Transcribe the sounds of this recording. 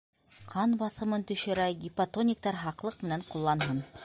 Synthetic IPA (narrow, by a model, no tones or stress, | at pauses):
qʰɑnbɑθɤ̆mɤnt̪ɵ̆ʃɘ̆ɾæjɡʲipat̪onʲɪk̚t̪ɑɾɦɑqlˠɤqmɘ̆næɴqulˠːɑnɦɤn